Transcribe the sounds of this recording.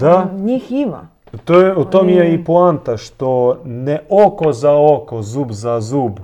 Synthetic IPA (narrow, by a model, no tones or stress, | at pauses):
d̪aɲixima̰ | t̪ojɛut̪omjɛipuant̪aʃt̪onɛokozaokozuːbzazuːb